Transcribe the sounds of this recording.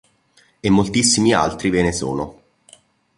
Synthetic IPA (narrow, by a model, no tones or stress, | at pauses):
emːolt̪isːimia̰lt̪ɾiveːneso̰ːno